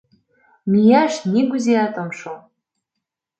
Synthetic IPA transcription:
mʲijaʃniɡuzeat̪omʃo

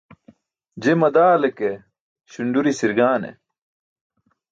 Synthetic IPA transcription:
d͡ʑemɐd̪aːleke | ɕuɳɖuɾisiɾɡaːnḛ

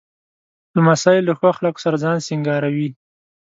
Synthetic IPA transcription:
d̪̥əmasɑjɪld̪əxwaxalako̥saɾad͡zɑnsɪŋɡɑɾawi

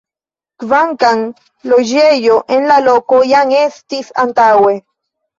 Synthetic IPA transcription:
kvaŋkaŋ | loʒejoʔenlalokojaŋest̪isa̰nt̪awe

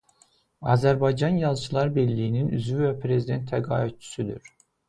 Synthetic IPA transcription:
ɑːzæɾbajd͡ʒɑnjɑzˠt͡ʃʰɯlˠɑɾbɛlʲːijininy̰zvivɛpʰɾe̞zid̪ɛnt̪ʰːæɡɑ̰ːit̪̚t͡ʃʰy̥syd̪y̰ɾ̥

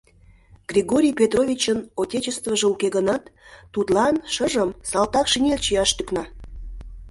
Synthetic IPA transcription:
ɡ̥rʲiɣoɾʲijpʲet̪rovʲit͡ɕənotʲet͡ɕest̪vəʒeukeɣənɑt̪ːut̪lɑnʃəʒəmsɑlt̪ɑkʃinʲelʲt͡ɕijɑʃt̪yknɑ

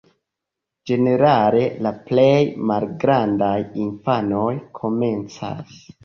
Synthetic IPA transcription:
d͡ʒe̞ne̞ɾale̞laple̞jmalɡɾandajinfano̞jkʰo̞me̞nt͡sa̰s

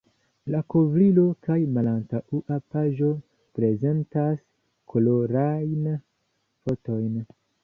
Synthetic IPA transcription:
lakovɾilo̞kajmalantaʔuʔapaʒo̞ | pɾe̞ze̞ntas | kʰolo̞ɾajn | fo̞to̞jn

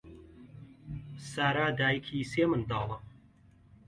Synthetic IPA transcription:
saːɾaːd̪aːjikʰiːseːmɨnd̪ɑːlˠɐ

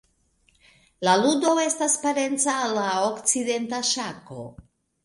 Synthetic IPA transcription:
laludo̞e̞staspaɾe̞nt͡saːlaokt͡side̞ntaʃako̞̰

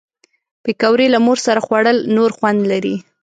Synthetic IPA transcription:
pekawɾelamoɾsaɾaxwaɽəlnoɾxwand̪laɾi

